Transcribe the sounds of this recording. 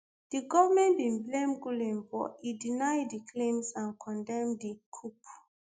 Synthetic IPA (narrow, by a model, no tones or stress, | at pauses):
d̥iɡɔvamɛ̃ntbĩnblẽmɡulɛ̃nbɔidinajdikʰlẽmsãnkʰɔ̃ndɛ̃mdikʰup